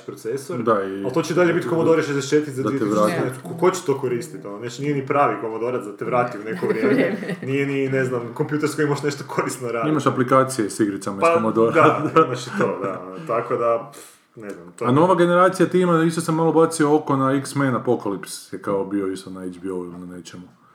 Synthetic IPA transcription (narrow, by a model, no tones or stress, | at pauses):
pɾot̪sesoɾd̪aialt̪o̞t͡ɕeid̪aʎebit̪ʲkomod̪oɾet͡ʃet̪eʃet̪it̪zad̪ait̪eʋɾaaːt̪ikokot͡ɕe̥t̪oːkoɾist̪it̪ononet͡ʃnijenipɾaːʋiko̞mod̪o̞ɾat̪d̪at̪eʋɾaːt̪iunekoʋɾjemmenijenineznamkompjuːt̪eɾskoimoʃneʃt̪okʰoɾist̪noɾaːdimaʃaplikaːt̪sijesiɡɾit̪samaaomod̪oɾd̪aimaʃt̪od̪at̪akod̪a | neznamt̪oano̞ʋaɡe̞neɾaːt̪sijat̪imaist̪osemalobat̪siooko̞naiksmenapokalipsjekaobioist̪onaed͡ʒbiojunanet͡ʃemu